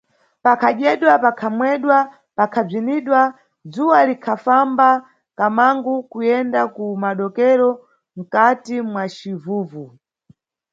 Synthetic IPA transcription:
pakʰaɗɛɗwapakʰamwɛɗwa | pakʰab͡ʐiniɗwa | d͡zuwalikʰafamba | kamaŋɡukujɛndakumaɗɔkɛɾɔ | m̩katimwat͡ʃivuːvu

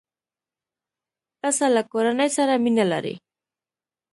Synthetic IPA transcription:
kasalakoɾanajsaɾamɪnala̰ɾɪ̰

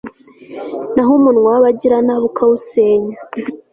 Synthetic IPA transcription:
naɦomunŋwaβaɟiɾanaβukʰawuseːɲa

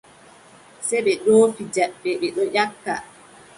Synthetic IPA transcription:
sɛɓɛɗoːfid͡ʒaɓɛɓɛɗɔʔakːa̰

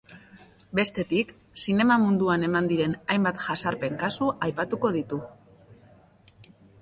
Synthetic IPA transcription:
be̞st̪e̞t̪ik | sine̞mamund̪uane̞mand̪iɾe̞najmbat̪ʝasaɾpe̞ŋkasuʔajpat̪uko̞ð̞it̪u

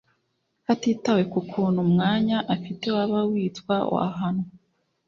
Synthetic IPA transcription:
hatiːtawe̞kukʰuːnhumŋaːɲaʔafite̞waβawiːtkwa̰a̰ɦano

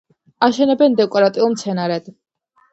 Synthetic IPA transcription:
aʃɛnɛbɛnd̪ɛkʼɔɾat̪ʼiulˠmt̪sʰɛnaɾɛd̪̥

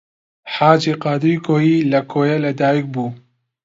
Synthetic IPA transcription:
ħaːd͡ʒiqɑːd̪iɾkʰoːjiːlɐkʰoːjɛlɐd̪aːjik̚buː

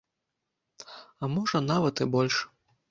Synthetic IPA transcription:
ɐmɔʐɐnavɐt̪ɨbɔlʲʂ

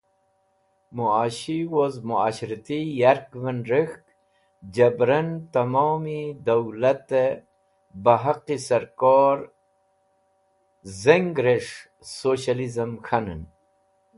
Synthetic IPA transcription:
muaɕiwozmuaːɕɾt̪ijaɾkvənɾəxk | d͡ʑɐbɾənt̪ɐmoːmid̪awlat̪e | baɦaqisɐɾkoːɾ | zeŋɡɾeʂ | soɕalizəmxanən

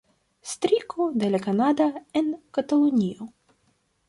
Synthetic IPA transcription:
st̪ɾikʰod̪elakanad̪aenkat̪alunʲio

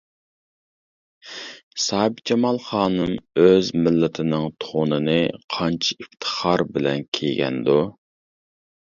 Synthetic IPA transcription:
sɑːb̚d͡ʒɛmɑlˠχɑːnɨmøzmɪlːɪt̪ʰɪnɪŋt̪ʰonɨnɨqʰɑnt͡ʃʰi̥ift̪ʰə̥χɑɾbɪlɛnkʲʰejɡʲɛ̰nd̪u

